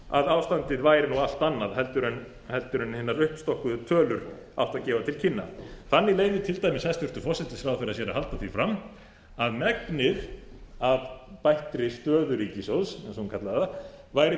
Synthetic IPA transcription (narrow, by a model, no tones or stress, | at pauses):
a̰ðawst̪ant̪ɪðvaːjɾɪnuɣal̥t̪anːaðhɛlt̪ʏɾʏn | hɛlt̪ʏɾʏnhɪnːaɾʏhpst̪ɔhkʏðʏt̪ʰœːlʏɾ̥ | a̰w̥ht̪aðcɛːvat̪ʰɪlcʰɪnːa̰θanːileːjvɪt̪ʰɪlt̪aːjmɪshɛst̪ʏɾ̥t̪ʏfɔsɛt̪ɪsfɾawθɪɾasjɛɾahalt̪aθifɾamː | aðmɛknɪðaðpajht̪ɾɪst̪œːðʏɾiːcɪsowðsɛsɔkʰat̪laðaða | vaːjɾɪ